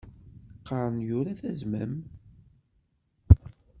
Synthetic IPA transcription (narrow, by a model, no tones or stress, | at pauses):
qːəɾˤənjʊɾaθæzmæm